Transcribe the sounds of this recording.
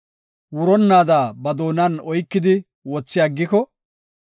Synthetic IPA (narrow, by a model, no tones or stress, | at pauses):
wʊɾɔnːaːd̪aːbɐd̪oːnɐnɔjkːɪd̪ɪ | wɔt͡sːɪjaɡːɪkɔ